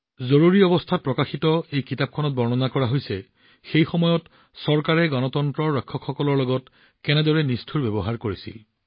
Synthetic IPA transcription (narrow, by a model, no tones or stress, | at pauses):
zoɹuɹiɔbɔstʰat̚pɹɔkaxitɔejkitap̚kʰɔnɔt̚bɔɹnɔnakɔɹaɦojsɛ | xejxɔmɔjɔt | sɔɹkaɹɛɡɔnɔtɔntɹɔɹɔjkʰːɔkxɔkɔlɔɹlɔɡɔt | kɛnɛdɔɹɛnistʰuɹbebɔɦaɹkoɹisḭl